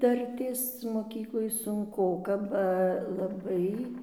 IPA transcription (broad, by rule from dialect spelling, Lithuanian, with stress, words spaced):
ˈdɐrʲtʲeːs moːˈkʲiːklˠoːj sʊŋˈkoːkɐ bɐ lˠɐˈbɐɪ